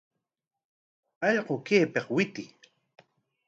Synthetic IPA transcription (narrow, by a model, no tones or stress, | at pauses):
ɑʎqokeːpeχwɪt̪ɪ